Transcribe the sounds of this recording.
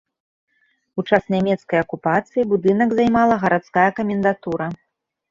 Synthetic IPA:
ut͡ʂasnʲamʲɛt̪skɐjɐkupat̪sɨjibud̪ɨnɐɡzajmalˠɐɣɐɾat̪skajɐkɐmʲɛnd̪at̪uɾɐ

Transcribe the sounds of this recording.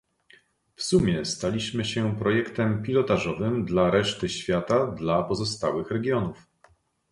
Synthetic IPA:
fsumʲjɛst̪alʲiɕmɘɕɛpɾɔjɛkt̪ɛmpʲilɔt̪aʐɔvɘmd̪laɾɛʂt̪ɘɕfʲjat̪ad̪lapɔzɔst̪a̰wɘxɾɛɡʲjɔnuf

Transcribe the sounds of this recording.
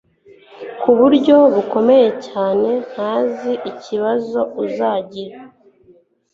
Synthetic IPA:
kuβuɾɟo̞βuko̞me̞je̞caːne̞n̥haːziʔiciβazo̞uzaːɟiɾa

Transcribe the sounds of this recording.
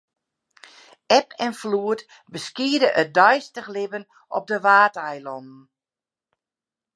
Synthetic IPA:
ɛpʰɛnfluət | bəskiədəʔət̚dœjstəxlɪbən | ʔɔ̰p̚dəʋaːtɛjlɔnn̩

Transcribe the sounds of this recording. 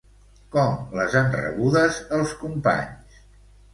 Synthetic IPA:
kɔmləzanrə̰βuðəzəlˠskumpa̰ɲs

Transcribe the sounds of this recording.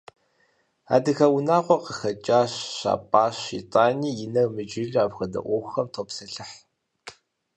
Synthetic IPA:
a̰ːdɨxɐwʊnaːqʷɔqəxɐt͡ʃʼaːɕːa̰ːpʼaːɕḭtʼaːniːjɪnɐrmɨd͡ʒɪɮaːpxɐdɐ̰ʔʷoxɐmtʰoːpsɐɬɨħ

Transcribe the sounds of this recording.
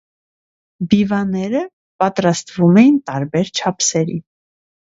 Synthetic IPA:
bivɑnɛɾə | pɑt̪ɾɑst̪vumɛjint̪ɑɾbɛɾt͡ʃʰɑpʰsɛɾḭ

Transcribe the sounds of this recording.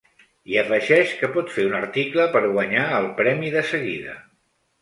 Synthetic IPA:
iəfəʒɛʃkəpɔt̪feunəɾt̪ikləpəɾɣwəɲaəlˠpɾɛmiðəsəɣiðə̰

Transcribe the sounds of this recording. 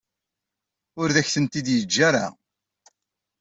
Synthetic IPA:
ʊɾðæçθənt̪id̪jəd͡ʒːaɾa̰

